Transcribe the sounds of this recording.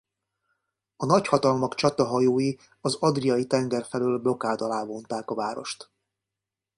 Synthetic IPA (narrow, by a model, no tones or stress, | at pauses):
ɒnɒchɒt̪ɒlmɒkt͡ʃɒt̪ɒɦɒjoːji | ɒzɒd̪rijɒjit̪ɛŋɡɛrfɛløːlblo̞kaːd̪ɒlaːvo̞nt̪aːkɒvaːɾo̞̰ʃt̪